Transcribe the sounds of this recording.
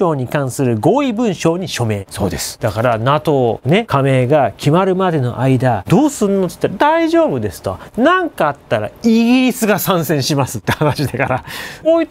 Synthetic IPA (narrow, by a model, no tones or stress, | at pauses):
o̞ːɲ̟ikãɰ̃sɨɾɯ̟ɡo̞ːibɯ̟̃ɰ̃ɕo̞ːɲ̟iɕo̞me̞ːso̞̰ːd̪e̞sɨ̥d̪̥akaɾanat̪o̞ne̞kame̞ːɡakʲimaɾɯ̟mad̪e̞no̞̰ʔaid̪ad̪o̞ːsɨɾɯnːo̞t̪e̥i̥t̪ːaɾad̪aiʑo̞ːbɯ̟d̪e̞sɨ̥t̪oanãŋkaːt̪ːaɾa̰iɡʲiɾʲisɨɡasãɰ̃sẽ̞ɰ̃ɕimasɨ̥t̪ːe̞hanaɕid̪akaɾakoːi